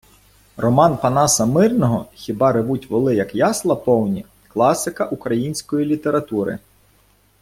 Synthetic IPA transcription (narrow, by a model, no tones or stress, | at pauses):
rɔmɑnpɐnɑsɐmɪrnɔɦɔxʲibɑɾɪʋutʲʋɔlˠɪjɐkjɑslˠɐpɔwnʲi | klˠɑsɪkɐʔukɾɐjinʲsʲkɔjilʲit̪eɾɐt̪uɾɪ̰